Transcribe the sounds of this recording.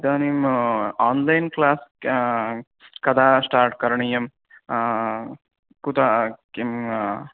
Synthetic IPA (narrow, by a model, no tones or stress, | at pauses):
d̪aːnijmaːnlɐjnklaːs | kɐd̪aːsʈaːɾʈ̚kɐɾɐɳijɐm | kut̪akim